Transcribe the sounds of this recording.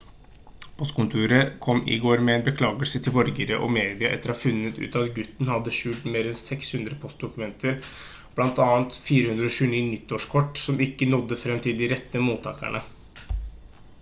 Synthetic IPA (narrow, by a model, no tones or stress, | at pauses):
pʰɔst̪kʊnt̪ʰʉːɾəkʰɔmːɪ̰ɡoːɾmɛɛːnbəkʰlɑːɡəlsət̪ʰɪlbɔɾɡəɾəʔɔ̰meːd̪ɪɑʔɛ̰t̪ːəɾɔhɑfʉnːət̪ʉ̰ːt̪ɑɑt̪ɡʉt̪ːnhɑd̪ːəʂʉlt̪meːɾɛnsɛkshʉnd̪ɾəpʰɔst̪̚d̪ʊkʉmɛnt̪ʰəɾ | b̥lɑnt̪ɑːənt̪fiːɾəhʉnd̪ɾəɔɕʉːniːnɪt̪ːoːʂkʰɔʈːsɔmɪkːənɔd̪ːəfɾɛmːt̪ʰɪld̪ɪɾɛt̪ːəmuːt̪ʰːɑ̰ːkæ̰ɳə